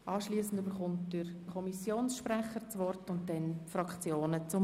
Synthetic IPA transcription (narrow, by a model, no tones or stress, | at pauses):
ʔɑːʃliːsn̩dybəɾχʊntdɪɾkʰɔmisjoːnsʃpɾɛχəɾt͡sʋɔrtʊntdɛnfɾɑkt͡sjoːnət͡sʊm